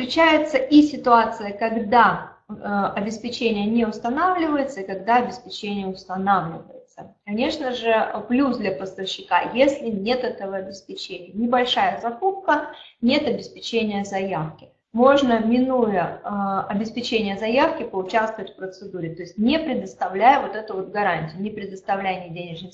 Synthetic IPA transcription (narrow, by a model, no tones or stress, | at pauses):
st̪ɾʲɪt͡ɕæjɪt̪səʔisʲɪt̪ʊat̪sɨjəkɐɡd̪a | ɐbʲɪspʲɪt͡ɕenʲɪjənʲeʊst̪ɐnavlʲɪvəjɪt̪səikɐɡd̪aɐbʲɪspʲɪt͡ɕenʲɪjəʊst̪ɐnavlʲɪvə̰jɪt̪səkɐnʲe̞ʂnəʐɨplʲusd̪lʲɐpəst̪əfɕːɪka̰jesʲlʲɪnʲe̞t̪ɛt̪əvəɐbʲɪspʲɪt͡ɕenʲɪjənʲɪbɐlʲʂajəzɐkup̚kə | nʲe̞t̪ɐbʲɪspʲɪt͡ɕenʲɪjəzɐjafkʲɪ̥ | mo̞ʐnəmʲɪnujəɐbʲɪspʲɪt͡ɕenʲɪjəzɐjafkʲɪpəʊt͡ɕast̪vəvətʲfpɾət̪sɨd̪uɾʲɪt̪o̞ɪsʲtʲnʲɪpɾʲɪd̪əst̪ɐvlʲæjəvo̞t̪ɛt̪ʊvo̞t̪ɡɐɾanʲtʲɪjʊnʲɪpɾʲɪd̪əst̪ɐvlʲæjnʲɪdʲenʲɪʐnɪ